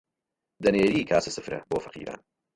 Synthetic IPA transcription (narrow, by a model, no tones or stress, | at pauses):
d̪ɐneːɾiːkʰaːsɨsɨfɾɐ̰boːfɐ̥qʰḭːɾʔa̰ːn